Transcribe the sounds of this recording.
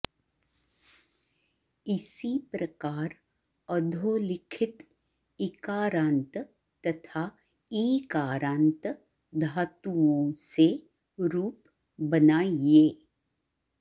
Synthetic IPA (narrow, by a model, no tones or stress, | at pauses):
ɪsipɾɐkaːɾ | əd̪ʱoːlɪkʰɪt̪ | ɪkaːɾãːnt̪ | t̪ɐt̪ʰaː | iːkaːɾãːnt̪ | d̪ʱaːt̪uõse | ɾuːp | bɐnaːieː